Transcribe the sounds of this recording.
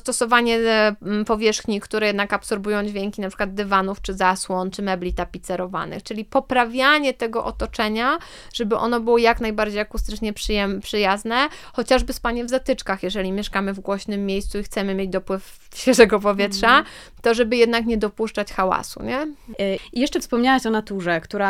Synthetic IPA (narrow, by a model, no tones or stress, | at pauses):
st̪ɔsɔvaɲɛpɔvʲjɛʂxɲikt̪uɾɛjɛd̪nakapsɔɾbujɔ̃w̃d͡ʑvʲjɛŋkʲinapʂɨkwad̪̚d̪ɛvanuft͡ʂɘzaswɔnt͡ʂɘmɛblʲit̪apʲit̪sɛɾɔva̰nɘ̰xt͡ʂɘlʲipɔpɾavʲjaɲɛt̪ɛɡɔʔɔt̪ɔt͡ʂɛɲa | ʐ̥ɛbɘʔɔ̰nɔbɘwɔjaknajbaɾd͡ʑejakust̪ɘt͡ʂɲɛpʂɛmpʂɘjaznɛxɔt͡ɕaʐbɘspaɲɛvzat̪ɘt͡ʂkaxjɛʐɛlʲimʲjɛʂkamɘvɡwɔɕnɘmːʲjejssuixt̪sɛmɘmʲjed͡ʑd̪ɔpwɘf | ɕʲɛʐɛɡɔpɔvʲjɛtʂa | t̪ɔʐɛbɘjɛd̪nakɲɛd̪ɔpuʂt͡ʂat͡ɕxawa̰sṵɲɛ | ijɛʂt͡ʂɛfspɔmɲawaɕɔnat̪uʐɛkt̪uɾa